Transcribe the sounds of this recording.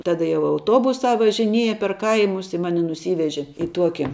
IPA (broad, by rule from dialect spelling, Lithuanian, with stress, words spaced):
ˈtɑːdɐ jɛʊ ɐʊˈtuɔbʊsɑː ʋɐʒʲɪˈnʲiɛjɛ pʲɛr ˈkɐɪmʊs ɪ ˈmɑːnʲɪ nʊˈsʲiːʋʲɛʒʲɪ ɪ ˈtuɔkʲɪ